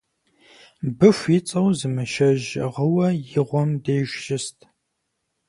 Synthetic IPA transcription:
bɨfʷit͡sʼɐwzɨmɨʃɐʒʁəwɐjɪʁʷɔmdeːʒʷʒɪstʰʼ

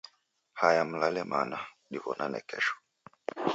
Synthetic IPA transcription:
hajam̩lalɛmana | ɗivɔnʔanɛ̰kɛʃɔ̥

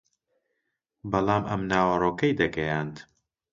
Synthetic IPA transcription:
bɐlˠɑːmʔɐ̰mnaːwɐroːkɐjd̪ɐɡɐjaːnt̪

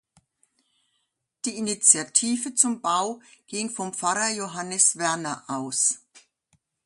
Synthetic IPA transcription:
d̥iːinit͡sjatʰiːvət͡sʊmbaʊɡ̥iŋfɔmpp͡faʁɐjoɦanəsv̥ɛɐnɐʔaʊs

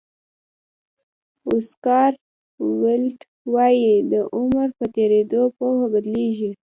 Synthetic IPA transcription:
ʊskɑɾ | wɪlʈ | wɑjid̪əʔʊmɾpət̪eɾed̪opohabad̪leʒi

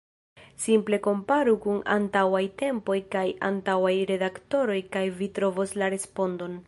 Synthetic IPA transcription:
simple̞ko̞mpaɾukuna̰ntawajte̞mpo̞jkaja̰ntawajɾe̞dakto̞ɾo̞jkajvitɾo̞vo̞slaɾe̞spo̞ndo̞n

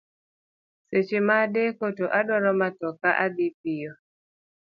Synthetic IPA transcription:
set͡ʃemadekotoʔadɔɾɔmat̪ɔkaʔadip̚ijɔ

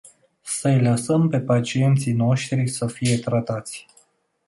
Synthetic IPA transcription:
səjləsəmpe̞pat͡ʃie̞nt̪sino̞ʃt̪ɾisəfije̞t̪ɾat̪at̪sʲ

